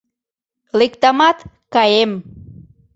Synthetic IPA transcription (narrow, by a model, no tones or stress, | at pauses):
lik̚t̪amat̪ | kaem